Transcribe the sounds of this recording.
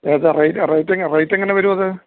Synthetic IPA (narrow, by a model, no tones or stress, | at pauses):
eːðɨrejtɨrejtːeŋːɐrejtːeŋːɐneʋɐɾumɐðɨ